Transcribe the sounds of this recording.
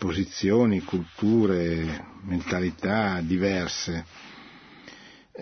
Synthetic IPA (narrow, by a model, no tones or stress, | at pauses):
pozit̪sːjoːnikult̪uːɾement̪alit̪ad̪ivɛrse